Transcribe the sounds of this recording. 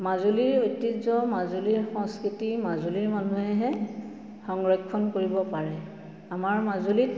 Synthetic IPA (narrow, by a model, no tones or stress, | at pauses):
mazuliɹojtːizɔmazuliɹxɔŋskɹitimazuliɹmanuɦɛɦɛ | xɔŋɹɔkʰːɔnkoɹibɔpaɹɛ | amaɹmazulit̚